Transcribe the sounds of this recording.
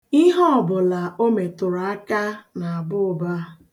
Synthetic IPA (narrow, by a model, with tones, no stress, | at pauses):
i˦ɦɔ˦ɔ˨bʊ˨la˨o˦me˨tʊ˨ɾa˨a˦ka˦na˨a˨bʊ˦ʊ˨ba˦